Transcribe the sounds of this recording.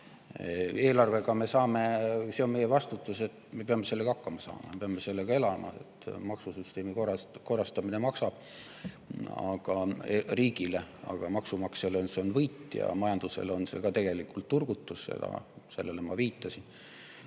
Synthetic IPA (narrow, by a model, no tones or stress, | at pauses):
e̞ːlɑrve̞ɡɑme̞sɑːme̞se̞o̞nme̞jevɑst̪ut̪ːˑuse̞t̪me̞peɑmːe̞se̞lːe̞ɡ̥ɑɑkːɑmɑsɑ̰ːmɑ̰peɑme̞se̞lːeɡ̥ɑe̞lɑmɑ̰ḛt̪mɑksusyst̪e̞ːmikoɑko̞rɑst̪ɑmine̞mɑksɑb̥̚ | ɑ̰ɡ̥ɑeriːɡ̥ile̞ɑ̰ɡ̥ɑmɑksumɑkseleonseonvɤjt̪ːjɑ̰mɑjɑnd̪̥use̞̰lo̞nse̞̰ɡ̥ɑt̪e̞ɡ̥e̞likːult̪ːurɡ̥ut̪ːˑusse̞̰d̪̥ɑ̰se̞lːe̞le̞mɑviːt̪ˑːɑsin